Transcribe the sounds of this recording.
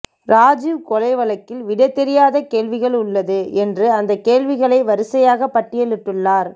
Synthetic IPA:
ɾaːd͡ʒɪʋkɔlɐɪʋɐlɐkːɪlʋɪɽɐɪt̪ːɛɾɪjaːðɐkeːlʋɪɣɐɭʊɭːɐðɯɛndrɯɐnd̪ɐkːeːlʋɪɣɐɭɐɪʋɐɾɯsɐjaːɣɐpːɐʈːɪjɐɭɯʈːɯɭːaːɾ

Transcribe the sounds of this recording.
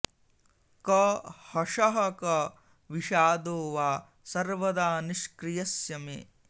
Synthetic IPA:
kɐhɐʂɐɦɐkɐ | ʋiʃaːd̪oːʋaː | sɐɾʋɐd̪aːniʃkɾijɐsjɐmḛː

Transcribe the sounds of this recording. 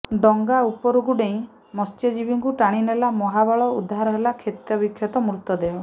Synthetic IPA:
ɖɔŋɡaupɔɾuɡuɖẽĩ | mɔst̪jɔd͡ʒibiŋkuʈaɽ̃inelamɔɦabɔɭɔud̪ʱːaɾɔɦelakʰet̪jɔbikʰːjɔt̪ɔmɾut̪ːɔd̪eɔ

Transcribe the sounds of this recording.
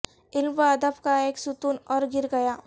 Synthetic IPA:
ɪlmʋaɐd̪əbkaeːksʊt̪uːnɔːɾɡɪɾɡɐjaː

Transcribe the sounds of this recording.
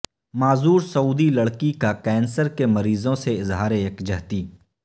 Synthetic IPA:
maːzuːɾsɐuːd̪ilɐɽkikakɛːnsəɾkemɐɾiːzõseɪzɦaːɾeːkd͡ʒɐɦt̪iː

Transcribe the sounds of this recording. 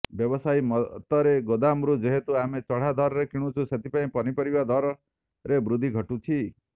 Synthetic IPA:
bjɔbɔsajmɔt̪ɔɾeɡod̪amɾud͡ʒeɦet̪uamet͡ʃɔɽ̤ad̪ʱɔɾɔɾekiɽ̃ũt͡ʃʰuset̪ʰipaĩpɔnipɔɾibad̪ʱɔɾɔ | ɾebɾud̪ʱiɡʱɔʈut͡ʃʰi

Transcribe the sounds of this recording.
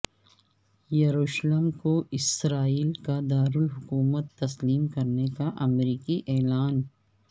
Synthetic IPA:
jɐɾuːʃləmkoʔɪsɾaːiːlkad̪aːɾʊlɦʊkuːmət̪ːɐsliːmkɐɾnekaʔɐmɾiːkiʔɛːlaːn

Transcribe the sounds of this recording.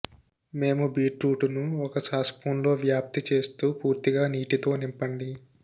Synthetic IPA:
me̞ːmubiːʈɾuːʈunuɔkɐsaːspʰuːnlo̞ːʋjaːp̚t̪it͡ʃe̞ːst̪uːpuːɾt̪iɡaːniːʈit̪o̞ːnimpɐɳɖi

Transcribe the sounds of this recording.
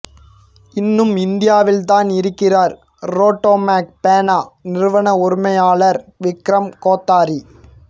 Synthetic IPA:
ɪnːɯmɪnd̪ɪjaːʋɪlt̪aːnɪɾɯkːɪraːɾ | ɾoːʈːoːmaːk̚peːnaːnɪɾɯʋɐɳɐʊɾɯmɐjaːɭɐɾʋɪkɾɐmkoːt̪ːaːɾi

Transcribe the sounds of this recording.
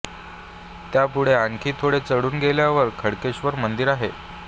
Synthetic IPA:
t̪japuɽ̤eaŋkʰiːt̪ʰoɽet͡səɽuːnɡʱeljaʋəɾkʰəɽkeɕʋəɾmənd̪iɾaɦe

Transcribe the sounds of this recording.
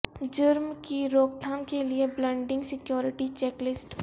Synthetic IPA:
d͡ʒʊɾmkiɾoːɡd̪ʰʱaːmkelieblɛ̃ːɳɖɪ̃ŋɡsɪkjɔːɾɪʈit͡ʃɛːklɪsʈ

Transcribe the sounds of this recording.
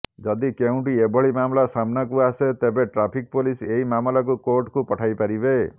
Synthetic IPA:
d͡ʒɔd̪ikeũʈiebɔɭimamlasamnakuaset̪ebeʈɾapʰik̚poliseɦimamɔlɔk̬ukoɾʈkupɔʈʰajpaɾibe

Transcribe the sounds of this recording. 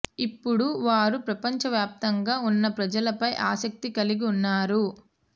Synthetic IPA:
ipːuɽuʋaːɾupɾɐpɐɲt͡ʃɐʋjaːp̚t̪ɐŋɡaːunːɐpɾɐd͡ʒɐlɐpɐjʔa̰ːsɐk̚t̪ikɐliɡiunːaːɾu

